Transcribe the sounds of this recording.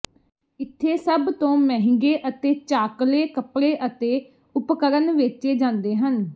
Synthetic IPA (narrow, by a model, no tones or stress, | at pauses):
ɪt̪ʰːeːsəbt̪õːmɛ̃ːɦɪ̃ŋɡeːʔət̪eːt͡ʃaːkleːkəpɽeːʔət̪eː | ʊpkəɾənʋɪt͡ʃeːd͡ʒãːnd̪eːɦən